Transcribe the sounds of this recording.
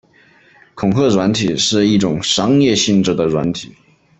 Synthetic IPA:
kʰʊ˨˩ŋxɤ˥˩ɻwa˧˥nt̪ʰi˨˩˦ʂɻ̩˥˧i˥˩ʈ͡ʂʊ˨˩ŋʂɑ˥ŋjɛ˥˧ɕi˥˧nʈ͡ʂɻ̩˥˩d̪ə˩ɻwa̰˧˥nt̪ʰi˨˩˦

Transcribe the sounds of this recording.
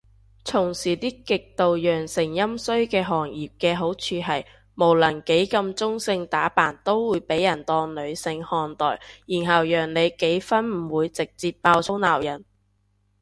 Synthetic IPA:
t͡sʰʊ˨˩ŋsiː˨˩t̪iː˥kɪ˨k̚t̪o˨wjœː˨˩ŋsɪ˨˩ŋjɐ˥msɵ˥ɥkɛː˧ɦɔː˨˩ŋjiː˨p̚kɛː˧ɦo˨˥wt͡ʃʰyː˨˧ɦɐ˨˩j | mo˨˩wlɐ˨˩nke˨˥jkɐ˧mt͡sʊ˥ŋsɪ˧ŋt̪aː˨˥paː˨˩nt̪o˥wwuː˨˧jpe˨˥jːɐ˨˩nt̪ɔː˧ŋlɵ˨˧ɥsɪ˧ŋhɔː˨˩nt̪ɔ̰ː˨˩jjiː˨˩nɦɐ˨wjœː˨˩ŋne˨˧jke˨˥jfɐ˥nm̩˨˩wuː˨˧jt͡sɪ˨k̚t͡siː˧ppːaː˧wt͡sʰo˥wnaː˨˩wjɐ˨˩n

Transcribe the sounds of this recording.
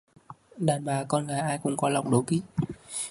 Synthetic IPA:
ɗaː˨˩nɓaː˨˩kɔ˧nɣaː˨˦jʔaː˧jkʊ̰˨˧˩ŋ͡mkɔ˨˦la˨˩wŋ͡mɗo˨˦ki˦

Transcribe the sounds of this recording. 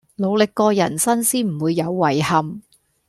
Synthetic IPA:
lo˨˧wlɪ˨kːɔː˧jɐ̰˨˩nsɐ˥nsiː˥nm̩˨˩wuː˨˧jːɐ˨˧wːɐ˨˩jhɐ˨m

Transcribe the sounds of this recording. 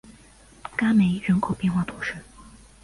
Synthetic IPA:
ka˥me˧˥ɪɻə˧˥nkʰo˨˩ʊpjɛ˥˧nxwa˥˩t̪ʰu˧˥ʂɻ̩˥˩

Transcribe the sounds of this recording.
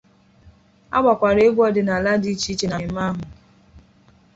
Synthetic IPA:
a̰˦ɡ͡bʷa˨kʷa˨ɾe˨e˦bʷɔ˦dɪ˨na˨la˦di˦t͡ʃi˦t͡ʃe˨na˨m̩˦ma˦ɦʊ˨

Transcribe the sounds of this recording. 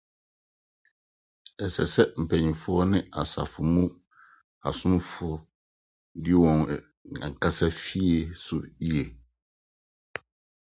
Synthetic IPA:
ɛ˨sɛ̰˨sɛ˦m̩˨pʰɛ˨ɲĩ˨fʊ˦ɔ˦nɪ̃˦a˨sa̰˨fʊ˨mũ˦ | a̰˨sʊ̃˦m˦fʊ˨ɔ˦ | dɪ˦wɔ̃˨n˨ | ã̰˨ŋ˨kʰa˦sa˦fi˦e˨sʊ˨i˦e˨

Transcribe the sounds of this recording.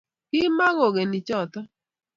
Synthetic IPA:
kɪ˦ma˦ŋɔ˨ɡe˨nɪ˨t͡ʃɔ˦˨t̪ɔ˦

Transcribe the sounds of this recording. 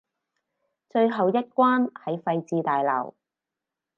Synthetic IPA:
t͡ʃɵ˧ɥɦɐ˨˩wjɐ˥t̚kʷaː˥nhɐ˨˥jfɐ˧jt͡siː˧t̪aː˨jlɐ̰˨˩w

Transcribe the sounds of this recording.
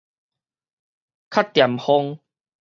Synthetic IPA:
kʰa˦˥t̚t̪ːja˨˩mhɔ˧ŋ

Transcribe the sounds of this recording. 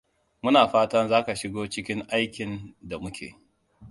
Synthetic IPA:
mʊ˦naː˨ɸaː˦tɐ˦nzaː˦ka˨ʃɪ˦ɡoː˦t͡ʃɪ˦kʲɪ˦ŋʔa˦jkʲɪ˨nda˨mʊ˦kʲḛː˨

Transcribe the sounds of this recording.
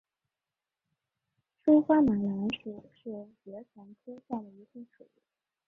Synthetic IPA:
ʈ͡ʂu˥xwa˥ma˨˩la˧˥nʂu˨˩ʂɻ̩˥˩t͡ɕɥɛ˧˥t͡sʰa˧˥ŋt̪ʰɤ˥ɕja˥˩d̪ə˩i˧˥t̪ʰu˥˩ŋʈ͡ʂʰu˨˩˦

